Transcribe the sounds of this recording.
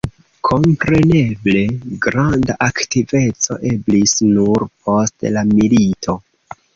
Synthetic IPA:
kʰo̞mpɾe̞ne̞ble̞ɡɾandaʔaktive̞t͡so̞̰ʔe̞blisnuɾpʰo̞stlamilitʰo̞

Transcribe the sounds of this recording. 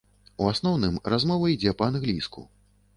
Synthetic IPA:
uasnɔwnɨmrazmɔvɐid͡zʲɛpɐanɣlʲiskṵ

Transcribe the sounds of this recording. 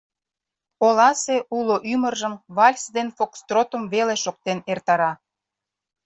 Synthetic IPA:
olɑseuloʔymərʒəmβɑlʲsd̪enfokst̪rot̪ə̆mveleʃok̚t̪enert̪ɑɾɑ

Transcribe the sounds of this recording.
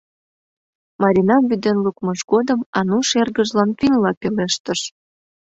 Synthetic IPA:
mɑɾʲinɑmβyd̪enlukmɤʃɡod̪əmɑnuʃerɣəʒlɑnpinlɑpeleʃt̪əʃ

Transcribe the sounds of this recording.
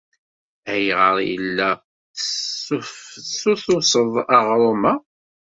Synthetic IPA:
æjʁəɾˤjə̰lːæ | suθʊsˤəðˤəʁɾˤoma

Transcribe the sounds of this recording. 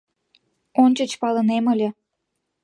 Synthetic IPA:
onʲt͡ɕə̆t͡ɕpɑləneməlʲĕ

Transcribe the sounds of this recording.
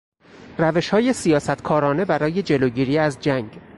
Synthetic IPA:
ræve̞ʃhɒːje̞sijɒːsæt̪ʰkʰɒːɾɒːne̞bæɾɒːje̞d͡ʒe̞loːɟiːɾiːæzd͡ʒæŋɡ

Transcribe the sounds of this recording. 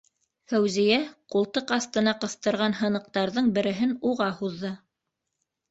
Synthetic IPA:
fæwzijæqulˠt̪ɤqɑθt̪ɤ̆nɑqɤ̆θt̪ɤ̆ɾʁɑnɦɤ̆nɤ̆q̚t̪ɑɾðɤɴbɘ̆ɾɘ̆ɦɘnuʁɑhuðːɤ

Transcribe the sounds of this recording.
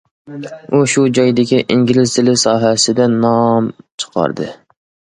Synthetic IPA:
uʃʊd͡ʒɒjd̪ɪɡʲɪʔiŋɡʲilɪzt̪ɪlɪsɒːɦasɪd̪anːɒmt͡ʃʰɨ̥qʰɑ̰ɾd̪ɪ̰

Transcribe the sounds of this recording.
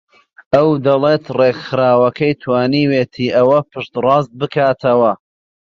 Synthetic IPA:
ɐwd̪ɐlet̪reɡxɨɾaːwɐkʰɐjt̪ʰwaːniːweːt̪ʰiːʔɐwɐpʰɨʃt̪rɑːs̬t̪̚bɨkaːt̪ʰɐwɐ

